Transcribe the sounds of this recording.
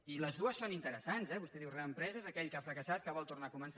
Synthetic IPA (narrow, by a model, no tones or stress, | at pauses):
iləzðuəsːonint̪əɾəsanzɛβust̪ɛðiwreəmpɾɛzəzəkɛʎkafɾəkəsat̪̚kəβɔlˠt̪urnakuməns